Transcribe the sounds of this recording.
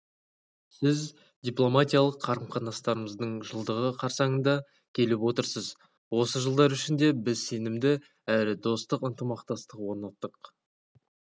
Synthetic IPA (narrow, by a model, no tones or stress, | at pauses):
sɪz | d̪ʲijplˠo̞mat̪ʲijalˠəqʰːɑɾəmχɑnɑst̪ɑɾəməzd̪əɴʒəlˠd̪əʁəqʰɑɾsɑɴənd̪ɑ | kʲʰe̞lɪpwo̞t̪əɾsəz | wo̞səʒəlˠd̪ɑɾʏʃɪnd̪e̞bɪzse̞nɪmd̪ɪ | æɾɪd̪o̞st̪əqənt̪əmɑqt̪ɑst̪əqwo̞ɾnɑt̪ːəq